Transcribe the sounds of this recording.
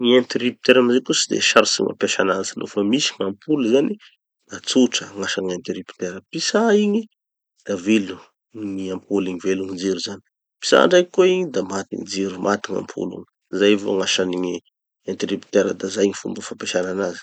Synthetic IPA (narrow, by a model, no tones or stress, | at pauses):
ɲient̪iripit̪eɾamizekusid̪ḛʃaɾusḭma̰mpeʃanant͡sinʔṵfəmisiŋampʰuluzani | d̪̥at͡suʈ͡ʂəŋaʃaŋant̪iɾipi̥t̪eɾəpisaiɲi | d̪̥avilu | niampʰuliŋiveluŋid͡ziɾuzani̥ | pi̥sa̰ɳɖ͡ʐajkoiɲid̪amat̪ḭŋid͡ziɾumʔat̪iŋa̰mpʰṵlṵŋ | zajvo̰ŋaʃaniŋi | ant̪ɾipi̥t̪eɾəd̪azajiɲifṵmbəfapeʃananazi̥